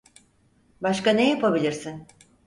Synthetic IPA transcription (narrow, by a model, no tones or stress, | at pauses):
baʃkanejapabilʲiɾsin